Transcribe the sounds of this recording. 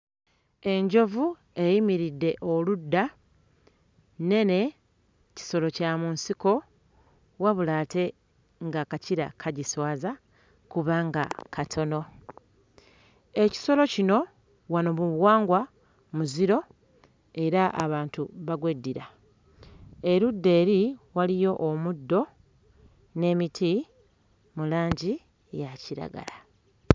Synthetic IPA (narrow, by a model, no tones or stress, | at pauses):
e̞ɲɟo̞vu | e̞jimiɾidːe̞ʔo̞ludːa | ne̞ne̞ | ci̥so̞lo̞camunsiko̞ | waβulaːte̞ | ŋɡakaciɾa̰kʰaɟiswaːza | kuβaŋɡa̰kʰatʰo̞no̞ | e̞ci̥so̞lo̞cino̞ | wanomuβwaːŋɡwa | muziɾo̞ | e̞ɾaʔa̰βaːntuβaɡwedːiɾa | e̞ɾudːe̞ːɾiwalijo̞ʔːmudːo̞ | ne̞ːmitʰi | mulaːɲɟi | jaciɾa̰ɡa̰la